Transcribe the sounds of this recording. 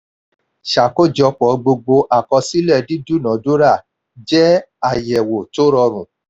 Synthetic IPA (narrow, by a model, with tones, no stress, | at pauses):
ʃa˨ko˦˨d͡ʒɔ˧k͡pɔ˨ɡ͡bo˧ɡ͡bo˧ʔa˨kɔ˧si˦lɛ˦˨di˦du˦˨nã˨˦do˦ɾa˦˨ | d͡ʒɛ˦a˦˨jɛ˨wo˨to˦ɾɔ˧ɾ̃ũ˨